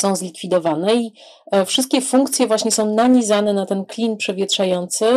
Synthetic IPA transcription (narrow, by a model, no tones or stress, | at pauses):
sɔ̃w̃zlʲikfʲid̪ɔvanɛi | fʂɘst̪̚kʲɛfuŋkt̪sʲjɛvwaɕɲɛsɔ̃w̃naɲizanɛnat̪ɛnklʲinpʂɛvʲjɛtʂajɔnt̪sɘ